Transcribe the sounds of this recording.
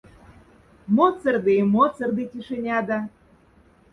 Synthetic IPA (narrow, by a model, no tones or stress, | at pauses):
mot͡sərd̪emot͡sərd̪it̪ʲiʃenʲɑd̪ɑ